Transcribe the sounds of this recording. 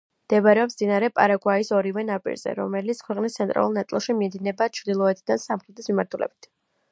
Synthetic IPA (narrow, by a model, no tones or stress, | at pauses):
md̪̥ɛbɾɛɔp̪inaɾɛpʼa̰ɾaɡwaisɔɾivɛnapʼḭɾz̥ɛ̰ɾɔ̰mɛlit̪skʰwɛqʼnist̪sʰɛnt̪ʼɾa̰lˠulˠnat̪sʼlˠʃimiɛd̪inɛbat͡ʃʰɾd̪ilˠɔɛt̪ʰid̪ansamχɾɛt̪ʰismimaɾt̪ʰulɛ̰b̥i̥t̪ʰ